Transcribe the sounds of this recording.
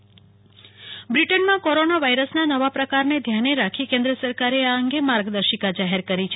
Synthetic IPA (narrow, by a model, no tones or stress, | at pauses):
bɾiʈənmãkoɾonaʋajɾəsnanəʋapɾəkaɾned̪ʱjaneɾakʰikẽnd̪ɾəsəɾkaɾeaəŋɡemaɾɡd̪əɾʃikad͡ʒaɦeɾkəɾit͡ʃʰe